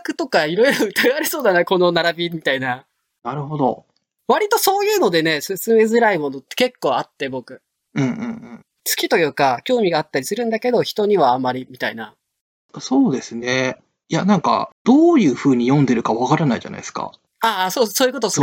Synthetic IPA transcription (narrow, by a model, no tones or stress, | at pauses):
kɯ̟t̪o̞kaiɾo̞iɾo̞ɯ̟t̪aɡaaɾʲiso̞ːd̪anako̞no̞naɾabʲimʲit̪aina | naɾɯ̟ɦo̞d̪o̞ | βaɾʲit̪o̞so̞ːjɯ̟ːno̞d̪e̞ne̞sɨsɨme̞zɨɾaimo̞no̞t̪ːe̞̥ke̞kːo̞ːat̪ːe̞bo̞kɯ̟ | ɯ̟̃ɴɯ̟̃ɴɯ̃ɴ | t͡sɨ̥kʲit̪o̞jɯ̟ːkakʲo̞ːmʲiɡaːt̪ːaɾʲisɨɾɯ̟̃nd̪ake̞d̪o̞çi̥t̪o̞ɲ̟iβaamːaɾʲimʲit̪aina̰ | so̞ːd̪e̞sɨne | janãŋka̰d̪̥o̞ːjɯ̟ːɸɯ̟ːɲ̟ijõ̞nd̪e̞ɾɯ̟kaβakaɾanaḭʑa̰na̰i̥sɨ̥ka̰ | asoːsoːjɯ̟ko̞t̪o